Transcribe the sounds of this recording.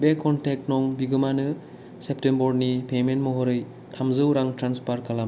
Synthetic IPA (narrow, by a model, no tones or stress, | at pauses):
bekʰːɔntek̚tnɔŋbiɡɯmanɯ | sep̚tembɔɾnipementmɔɦɔɾɯj | tʰamzɯwɾaŋtɾanspaɾkʰala